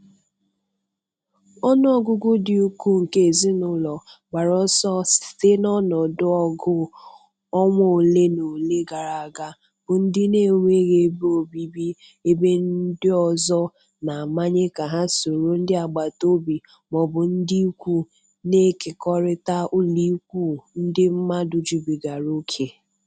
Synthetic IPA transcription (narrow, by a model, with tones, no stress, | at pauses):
ɔ˦nɔ˦˨ɡʊ˨ɡʊ˦dɪ˨u˦kʷu˦ŋ̩˨ke˦˨zi˦nʊ˦lɔ˨ɡ͡ba˨ɾɔ˦sɔ˦sɪ̥˨te˦nɔ˦nɔ˨dʊ˦ɔ˦ɡʊ˦ | ɔ˦ŋʷɔ˨o˨le˦no˨le˦ɡa˨ɾa˨a˨ɡa˦ | b̥ʊ˨n̩˦dɪ˦ne˦˨ŋʷe˦ɣe˨˦bo˨bi˦bi˦ | e˦be˦n̩˦dɪ˦ɔ˨zɔ˦ | na˨ma˦ɲe˦ka˨ɦa˦so˨ɾo˦n̩˦dɪ˦a˨ɡ͡ba˨to˦bi˨ | mɔ˨bʊ˨n̩˦di˦kʷu˦ | ne˦ke˨kɔ˦ɾɪ˦ta˦ʊ˦li˦kʷu˦˨n̩˦dɪ˦m̩˦ma˦dʊ˨d͡ʒi˨bi˨ɡa˨ɾo˦kʰe˨